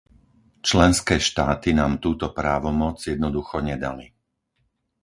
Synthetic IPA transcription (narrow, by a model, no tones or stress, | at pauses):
t͡ʃlɛnskɛːʃt̪aːt̪inaːmt̪uːt̪ɔpɾaːʋɔmɔd͡zjɛd̪nɔd̪uxɔɲɛd̪a̰li